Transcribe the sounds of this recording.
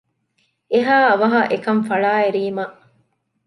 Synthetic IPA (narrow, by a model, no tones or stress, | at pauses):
eɦaːɐʋɐɦɐʔekɐɱfɐɭaːeɾiːmɐʔ